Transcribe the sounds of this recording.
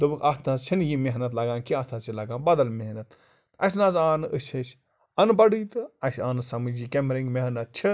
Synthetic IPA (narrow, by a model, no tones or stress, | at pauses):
d̪ɨbɨkʰɐt̪ʰnazsʰinjimeɦnɐt̪lɐɡãːnkiɐt̪ʰat͡silɐɡãːnbɐd̪ɐlmeɦnɐt̪ | ɐs̬ʲnaːzaːnɨəsʲesʲ | ɐnbɐɖiːt̪ɨɐsʲaːnɨsɐmɨd͡ʒiːkemɾĩŋɡmeɦnɐt̪̚t͡ʃʰi